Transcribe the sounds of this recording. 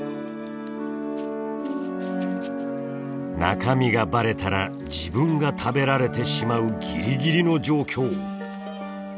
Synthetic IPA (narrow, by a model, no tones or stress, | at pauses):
na̰kamʲiɡabaɾe̞t̪aɾa | d͡ʑibɯ̟̃ŋɡat̪ʰabe̞ɾaɾe̞t̪e̞ɕimaɯ̟ɡʲiɾʲiɡʲiɾʲino̞d͡ʑo̞ːkʲo̞ː